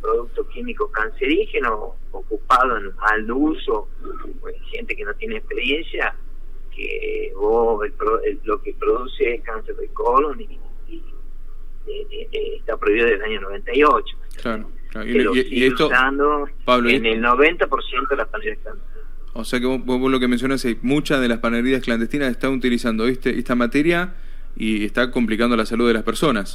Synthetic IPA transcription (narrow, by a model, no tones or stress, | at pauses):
pɾoðuk̚t̪okimikokanseɾixeno | okupaðoenaluso | exent̪ekenot̪jeneːhpeɾjensja | kḛβoselɾoelokepɾoðusekanseɾðekoloni | e | eht̪apɾoiβiðoeelaɲonoβent̪aiot͡ʃo̥t̪klaɾo | klaɾoilosieut̪osand̪o | paβlonelnoβent̪apoɾsjent̪oelaspaneɾiakland̪et̪i | oseakeβoboβozlo̞kemens̬jo̞nasejmut͡ʃaðe̞laspaneɾiaskland̪eht̪inaseht̪anut̪ilisand̪oet̪eʔeht̪amat̪eɾja | ieht̪akomplikand̪olasaluðelaspeɾso̞nas